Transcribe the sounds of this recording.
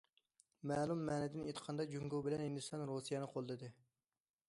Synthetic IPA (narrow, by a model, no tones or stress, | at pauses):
mɛːlˠumːɛːnɛd̪ɪnet̪ʰə̥qʰɑnd̪ɑd͡ʒuŋɡowbɪlɛnhind̪ust̪ʰɑnɾosijɛnɨqʰolˠd̪ɨd̪ɪ